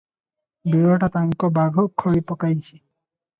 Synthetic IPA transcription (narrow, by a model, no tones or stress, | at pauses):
biɾɔʈat̪aŋkɔbaɡʱɔkʰːɔipɔkajt͡ʃʰi